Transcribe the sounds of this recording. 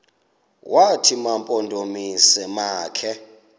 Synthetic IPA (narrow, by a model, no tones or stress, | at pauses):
wʔatʰimampʼɔndʱomisɛmaːkʰɛ